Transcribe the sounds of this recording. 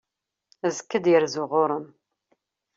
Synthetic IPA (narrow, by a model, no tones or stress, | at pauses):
əzkːəd̪jəɾzʊʁoʊɾˤəm